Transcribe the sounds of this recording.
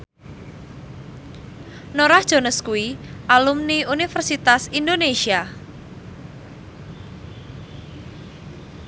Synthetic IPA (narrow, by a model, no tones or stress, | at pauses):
noɾahd̥ʒ̥o̤nəskuwiʔalumniunifərsit̪asindonesia